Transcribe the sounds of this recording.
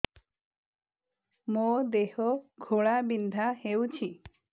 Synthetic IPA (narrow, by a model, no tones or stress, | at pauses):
mod̪ehɔɡʱoɭabind̪ʱahewt͡ʃʰi